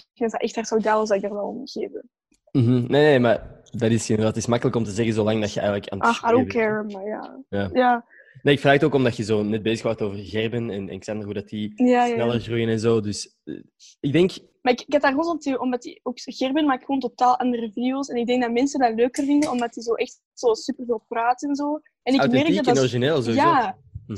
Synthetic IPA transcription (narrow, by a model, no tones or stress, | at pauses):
kdatdaʔɛxthartsɔɡdaːwəlˠzdaɪɡ̚daːrwɛlˠɔ̰mɣeːvə | m̩ɦm̩neːneːma | dɑdɪsɪnəatɪsmɑkələkɔmtəzɛɣənzolɑŋdɑtxəɛ̰jɣələka̰naxadokʰɛɹəmmaja̰ːjaːjaː | naːɪkfraːxtoːkɔmdɑjəzoːnɛt̚beːzəxwaːrtoːvərɣɛrbənɛnɛ̰nɪksɑndərudɑtijaːjanɛlˠərɣrujənɛnzoːdʏs | ɪɡ̚dɛŋk | maɪkɪkɛt̚daːrɣoːnzɔtəʔɔmdɑtḭoːkɣ̥ɛrbənmaːkxəoːntotaːlˠʔɑndərəvideoːsɛnɪɡ̚dɛŋɡ̚dɑmɛnsəndaløːkərvɪndənɔmdɑtizoːʔɛxt | z̥oːsypərveːlˠpraːtɛnzoː | ɛnɪmɛrkdɑtdnɔɾiʒineːlˠzoːja